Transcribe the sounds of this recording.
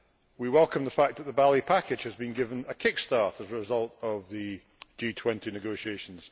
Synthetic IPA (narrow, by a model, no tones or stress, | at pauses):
wiwɛlˠkə̃mðəfak̚ðəʔ̪̚ðəbalˠipʰakɪd̥ʒ̥həzbĩnɡɪvə̃nəkʰɪkstɑɹtəzəɹɪzʌlˠtəvðə | d͡ʒiːtʰw̥ɛ̃ntinɪɡoʃieʃə̃n̩z̥